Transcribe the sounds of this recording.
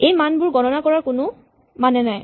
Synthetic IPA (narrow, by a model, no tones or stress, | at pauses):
ejmanbʊɹɡɔnɔnakɔɹaɹkʊnʊ | manɛnaj